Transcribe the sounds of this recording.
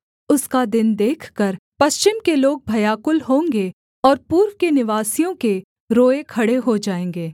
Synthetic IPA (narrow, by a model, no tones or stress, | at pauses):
ʊskad̪ɪnd̪eːkʰkəɾpɐʃt͡ʃɪmkeloːɡ̚bʱɐjaːkʊlɦõːŋɡe | ɔːɾpuːɾwkenɪʋaːsijõke | ɾoːekʰɐɽeɦod͡ʒaːẽːŋɡeː